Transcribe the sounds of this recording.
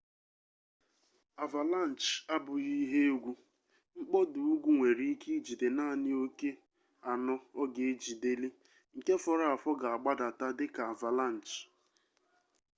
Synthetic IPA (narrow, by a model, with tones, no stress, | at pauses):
a˨va˨la˦˨n̩˨t͡ʃa˦bʊ˨i˦ɦe˦ɡʷu˦ | ŋ͡m̩˦k͡pɔ˦du˨u˦ɡʷu˦ŋʷe˨ɾi˦ki˦d͡ʒi˨de˨na˦˨nɪ˦o˦ke˦ | a˨nɔ˦ɔ˦ɡe˨˦d͡ʒi˨de˦li˦ | ŋ̩˨ke˦fɔ˨ɾa˦˨a˨fɔ˦ɡa˨a˨ɡ͡ba˦da˨ta˦dɪ˦ka˨a˨va˨la˦˨n̩˨t͡ʃ